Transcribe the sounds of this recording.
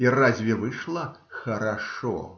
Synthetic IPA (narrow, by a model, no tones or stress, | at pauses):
irazʲvʲɛvɨʂlˠɐxɐɾaʂɔ̰